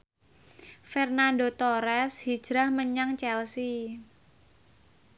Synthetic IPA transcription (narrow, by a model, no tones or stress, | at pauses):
fɛrnandot̪oɾɛshi̥d͡ʒ̥ɾahməɲaŋt͡ʃɛlsi